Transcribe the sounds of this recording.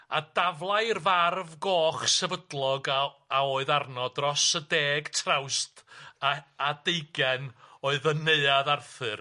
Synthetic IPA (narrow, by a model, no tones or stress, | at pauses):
adavlˠajrvarvɡoːχsɛvədlˠɔɡaaoːɨðarnɔdrɔsədeːɡtʰrawst | adejɡɛnoːɨðəneɨaðarθɨr